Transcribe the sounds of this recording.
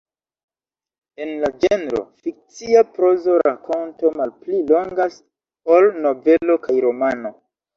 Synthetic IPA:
e̞nlad͡ʒenɾo̞̰fik̚t͡siapɾo̞zo̞ɾakonto̞malplilo̞ŋɡas | olno̞ve̞lo̞kajɾo̞mano̞

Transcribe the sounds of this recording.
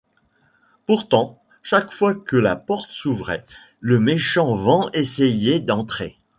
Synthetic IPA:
puʁt̪ɑ̃ | ʃakfwakəlapɔʁt̪ə̥suvʁɛ | ləmeʃɑ̃vɑ̃esɛjɛd̪ɑ̃t̪χe

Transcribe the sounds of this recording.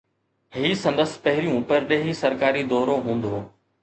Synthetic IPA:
hiːsɐ̃nd̪əspɐɦɪɾijũpɐɾɗeːɦisɐɾkaːɾid̪ɔːɾoɦũːn̆d̪oː

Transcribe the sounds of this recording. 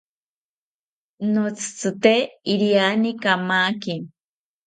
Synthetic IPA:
not͡sʰɨ̥t͡sʰɨt̪eiɾianikamaːki

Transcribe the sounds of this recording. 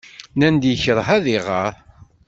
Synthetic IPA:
nænd̪jəçəɾˤɦæðiʁəɾˤ

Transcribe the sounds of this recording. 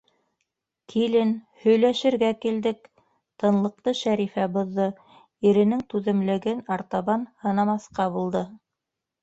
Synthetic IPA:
kʰilɘnhɵ̆jlæʃɘ̆ɾɡækild̪ɘk | t̪ɤ̆nlˠɤ̆q̚t̪ɤʃæɾifæbŏðːɤ | iɾɘ̆nɘŋt̪ʉðɘ̆mlɘ̆ɡɘnɑɾt̪ɑβɑnhɤ̆nɑmɑsqɑβulˠd̪ɤ

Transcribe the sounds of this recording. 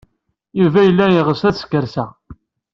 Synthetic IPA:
jivæjəlːæjiʁəsæsə̥kːəɾsæ

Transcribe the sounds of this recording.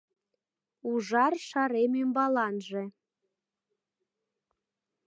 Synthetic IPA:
uʒɑrʃɑɾemembɑlɑnʒĕ

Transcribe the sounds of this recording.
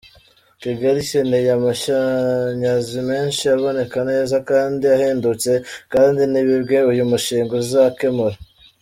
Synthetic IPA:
kiɡaɾiʃenejamaʃaɲazime̞ːnʃiaβo̞ne̞kane̞ːzakaːndiaheːndut͡se̞kaːndiniβibɡe̞ujumuʃiːŋɡozizake̞moɾa

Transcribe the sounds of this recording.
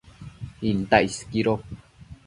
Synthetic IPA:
int̪ajskiɾo

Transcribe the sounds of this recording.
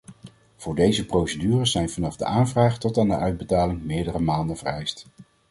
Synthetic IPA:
v̥ʊːɹdejzəprowsədyːrəszɛjnvɑnɑvdə̰ʔaːnvraːχtɔtaːndəʔœɥd̚bətaːlɪŋmɪːɹdərəmaːndənvərɛjst

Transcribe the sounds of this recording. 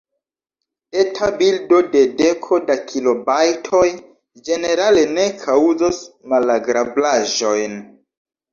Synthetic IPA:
etʰabildo̞de̞de̞kʰo̞dakʰilo̞bajtʰo̞j | d͡ʒe̞ne̞ɾale̞ne̞kʰawzosmalaɡɾablaʒo̞jn

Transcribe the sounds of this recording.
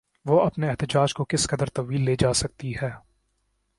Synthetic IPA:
ʋoɐpneɛɦt̪ɪd͡ʒaːd͡ʒkokɪskɐd̪əɾt̪ɐʋiːlːeːd͡ʒaːsɐk̚t̪iɦɛː

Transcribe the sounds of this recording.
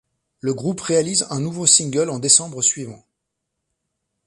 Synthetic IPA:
ləɡʁupʁealizɛ̃nuvosĩŋɡʲœlɑ̃d̪esɑ̃bʁəsɥivɑ̃

